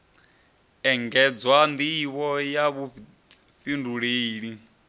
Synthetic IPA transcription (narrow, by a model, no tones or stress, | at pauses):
ɛŋɡɛd͡zwand̪iβɔjaβu | ɸinduɺeːɺi